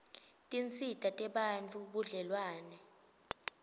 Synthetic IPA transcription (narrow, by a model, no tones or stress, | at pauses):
tʼint͡sʰʼitʼatʼɛɓant͡fʰuɓuɮɛlwaːnɛ